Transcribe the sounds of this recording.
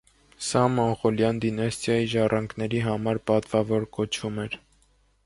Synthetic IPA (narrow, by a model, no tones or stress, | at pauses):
sɑmɔnχɔljɑnd̪inɑst̪jɑjiʒɑrɑŋkʰnɛɾiɦɑmɑɾpɑt̪vɑvɔɾkɔt͡ʃʰumɛɾ